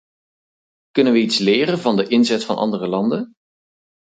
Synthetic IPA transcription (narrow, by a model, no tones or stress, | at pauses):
kɵnənʋəitslɪːrənvɑndəʔɪnzɛtfɑ̰nʔɑ̰ndərəlɑndən